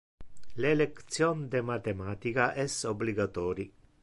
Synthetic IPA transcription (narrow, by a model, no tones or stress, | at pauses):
lelekt̪sjond̪emat̪emat̪ikaʔesobliɡat̪oɾi